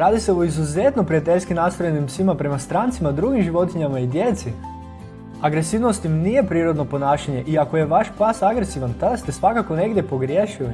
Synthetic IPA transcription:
ɾaːd̪ise̞oizuze̞t̪no̞pɾijat̪e̞ʎʲskinast̪ɾo̞jenimsʋimapɾe̞mast̪ɾant̪simad̪ɾuɡimʒiʋo̞t̪iɲamaid̪je̞t̪si | aɡɾe̞siʋno̞st̪imnije̞pɾiːɾo̞d̪no̞po̞naːʃaɲe̞ʔiako̞je̞ʋaʃpasaɡɾesiʋant̪ad̪ast̪e̞sʋakako̞ne̞ɡd̪je̞po̞ɡɾje̞ʃili

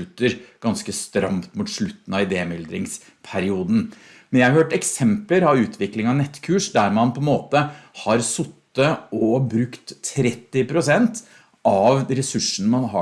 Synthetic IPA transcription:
ʉt̪ːəɾɡ̥ɑnskəst̪ɾɑ̰mt̪muːt̪ʂɭʉt̪ːn̩ɑʋɪd̪eːmɪld̪ɾɪŋs | pʰæɾɪuːd̪n̩ | mɛnjæɪhɑɾhøːʈɛksɛmpləɾɑʋʉːt̪ʰʋɪklɪŋɑnɛt̪ːkʰʉːʂd̪æɾmɑnpʰɔɛnmoːt̪əhɑɾsʊt̪ːəɔbɾʉkt̪ʰːɾɛt̪ːɪpʰɾʊsɛnt̪ | ɑʋɾɛsʉʂːənəmɑnɦɑ

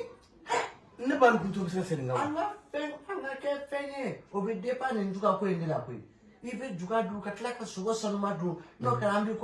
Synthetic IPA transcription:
nebaɾĩkũtubes̬ekasenĩkaãŋafɛ̃ãŋkakɛfɛ̃jeobɛdepanĩnduɡakojenilakoḭ | ibɛd͡ʒuɡadõkatilakasoɡɔsanumadõnokaɾãmbik

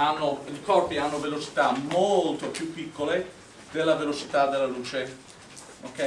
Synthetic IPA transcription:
anːolikɔrpianːovelot͡ʃi̥t̪amolt̪opjupːikːole | d̪elːavelot͡ʃi̥t̪ad̪elːaluːt͡ʃe | okːɛ

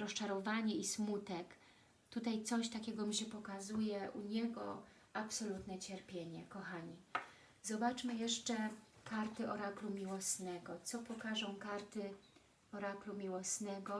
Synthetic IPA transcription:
ɾɔst͡ʂaɾɔvaɲɛismut̪ɛk | t̪ut̪ajt̪sɔɕt̪akʲɛɡɔmiɕɛpɔkazujɛʔuɲɛɡɔ̰ | apsɔlut̪nɛt͡ɕɛɾpʲjeɲɛkɔxaɲi | zɔbat͡ʂmɘjɛʂt͡ʂɛkaɾt̪ɘʔɔɾaklumʲiwɔsnɛɡɔt̪sɔpɔkaʐɔ̃w̃kaɾt̪ɘ | ɔɾaklumʲiwɔsnɛɡɔ

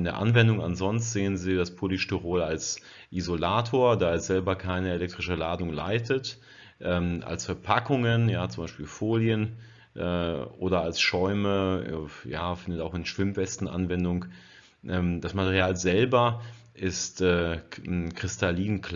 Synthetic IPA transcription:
ɪndeːɐʔa̰nvɛndʊŋa̰nzɔnstz̥eːənziːdaspʰoliʃtyʁoːlals | ʔizolaːtʰoːɐdaːɪstz̥ɛlbɐkʰaɪnəelɛk̚tʁ̥ɪʃəlaːdʊŋla̰ɪtʰət | ʔɛːmʔa̰lsfɛɐpʰakʰʊŋənjaːt͡sʊmbaɪʃpiːlfoːljən | ʔɛ̰ːʔo̰ːdɐalsʃɔʏməɛjaːfɪndətaʊxɪnʃv̥ɪmvɛstn̩ʔa̰nvɛndʊŋ | ʔɛːmd̥asmatɛʁiaːlzɛlbɐ | ʔɪstɛː | kʁ̥ɪstʰaliːnkl

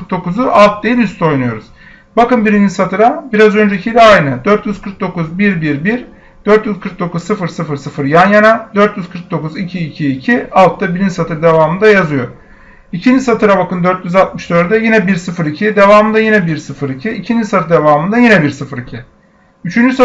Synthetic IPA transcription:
ɯɾk̚d̪o̞kuzuʔalˠt̪̚d̪ejiyst̪ʰo̞jnujo̞ɾuz̥ | bakɯnbiɾind͡ʒisat̪ʰɯɾabiɾazø̞nd͡ʒɛicʰijlʲɛajnɯd̪øɾt̪jyzkʰɯɾk̚d̪o̞kuzbiɾbiɾbiɾ | d̪̥øɾt̪jyzkʰɯɾk̚d̪o̞kʰuzsɯfɯɾsɯfɯɾsɯfɯɾjanjanad̪ø̞ɾt̪jyzkʰɯɾk̚d̪o̞kuzicʰiːcʰiːcʰialˠt̪ʰːabiɾinisat̪ʰɯɾd̪e̞vaːmɯnd̪ajazɯjo̞ | icʰind͡ʒisat̪ʰɯɾabakɯnd̪ø̞ɾt̪jyzalt̪̚mɯʃd̪øɾd̪ɛjinɛbiɾsɯfɯɾicʰid̪e̞vaːmɯnd̪ajinɛbiɾsɯfɯɾicʰiicʰind͡ʒisat̪ʰɯd̪e̞vaːmɯnd̪ajinɛbiɾsɯfɯɾicʰi | yt͡ʃʰynd͡ʒysa

